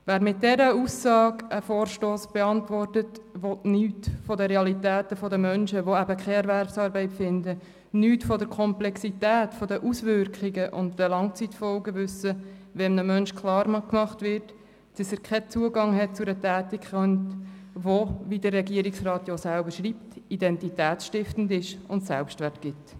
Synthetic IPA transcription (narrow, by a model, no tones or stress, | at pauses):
ʋæːɾmɪt̚dɛɾəusɑːɡəfoːrʃtoːsb̥ɛɑntvɔrtətʋɔtnyːtfɔdəɾeɑlitæːtəfɔdəmœnʃəʋoæbəkʰχɛɛɾvæɾpsɑːɾbɛɪtfɪndə | nyːtfɔdəɾkʰɔmplɛksitæːtfɔdəʔusʋʏɾkχiɡəʔʊ̰ntdəlɑŋt͡sitfɔlɡəʋʉsəʋɛnnəmœnʃkχlɑːɾmkmɑχtʋɪɾt | d̥əsəkʰɛt͡suəɡɑŋhɛt̚t͡sʊɾətæːtikχœntʋoʋidərːɛɡiəɾiksrɑːt̪josælbəɾʃɾiːp̚tidɛntitæːt͡sʃtɪftn̩dɪʃʊntsæ̰lpʃtʋærtɡ̥ɪt